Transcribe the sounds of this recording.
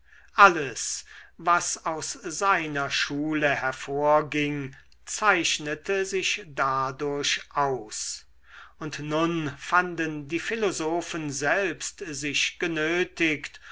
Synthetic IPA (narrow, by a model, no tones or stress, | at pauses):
ʔaləsvasaʊsz̥aɪnɐʃuːləhɛɐfoːɐɡɪŋ | t͡saɪʃnətəzɪʃd̥adʊɐɕʔaʊs | ʊntnʊnfandəndiːfɪlozoːfənzɛlpstzɪɕɡ̥ənøːtɪkt